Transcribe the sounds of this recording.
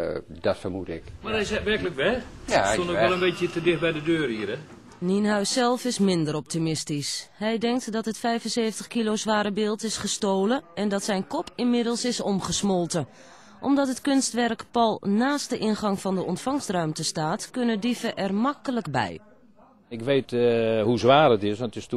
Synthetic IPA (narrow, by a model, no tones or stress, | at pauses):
d̥ɔtfərmutɪ̰kmaɛsɛʋɛrkələkʋɛonɛlˠənbetjətədɪxbɛjdədøːrhiəɾɛ | ninɦœɥsːɛlˠfɪsmɪndəɾɔp̚timɪstishɛjdɛŋk̚tdɔtɦətfɛjvənseːfəntəχkilowzʋaːɾəbɪːlˠtɪsχəstoːləɛndɑtsɛjnkɔpʰɪnmɪdəlˠsɪsɔmχəsmɔlˠtə | ʔɔmdɔtɦətkɵnstʋɛrkpɔlˠnaːstdəʔɪnχɑŋfɑndəɔntfɑŋstrœɥmtəstaːtkønədifəʔɛrmɑkələkbɛ̰j | ɪkʋejtɦuzʋaːrətɪsʋɔntɪst